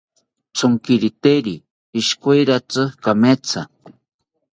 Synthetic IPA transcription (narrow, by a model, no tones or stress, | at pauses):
t͡sʊŋkiɾit̪eɾiː | ʃkojɾat͡sɨkamet͡sʰa